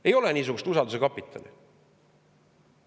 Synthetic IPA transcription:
ejo̞lenʲiːs̬uɡust̪usɑld̪us̬e̞kɑpːˑit̪ʰːˑɑ̰lḭ

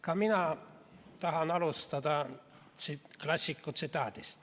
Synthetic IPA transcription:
kɑminɑ | t̪ɑɦɑnɑlust̪ɑd̪ɑ | siklɑsʲːikːut̪sit̪ɑːt̪ist̪

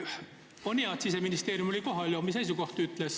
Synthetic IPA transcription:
oniɑt̪siseminist̪e̞ːɾjumo̞lʲiko̞ɦɑlʲjomis̬ejs̬uko̞ht̪yt̪ˑles

